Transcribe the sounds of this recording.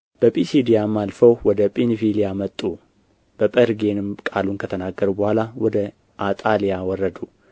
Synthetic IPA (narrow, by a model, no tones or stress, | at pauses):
b̥əpʼisid̪ijamːalfəwwɔd̪əpʼenfilijamət̪ʼːu | b̥əpʼəɾɡe̞nɨmkʼalunkʰət̪ʰənaɡːəɾubəhʷalawɔd̪ə | ʔat̪ʼalijawɔrːəd̪u